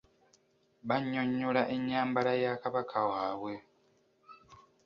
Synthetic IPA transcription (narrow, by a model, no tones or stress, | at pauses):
βaɲːo̞ɲːolaʔeɲːaːmbalajakaβakʰawaːβwe̞